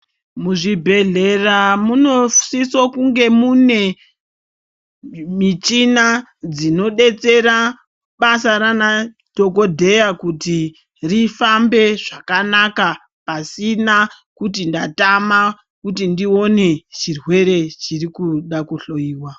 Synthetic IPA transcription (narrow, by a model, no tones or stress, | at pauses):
muʐibʱe̞ɮe̞ramunosisokuŋɡe̞mune̞ | mit͡ʃinad͡zino̞ɗe̞t͡se̞ɾa | ɓasaɾana | d̥ʱo̞ko̞dʱe̞jakuti | rifambe̞ʐakanaka | pasina | kut̬indatama | kutindio̞ne̞t͡ʃirwe̞ɾe̞t͡ʃirikuɗakuɬo̞iːwa